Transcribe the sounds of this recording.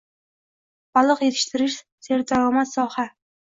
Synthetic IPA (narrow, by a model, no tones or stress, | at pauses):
b̥ɒlˠɨqje̞t̪ʰɪ̥ʃt̪ʰɪɾɪʃ | seɾd̪aɾɒmat̪sɒha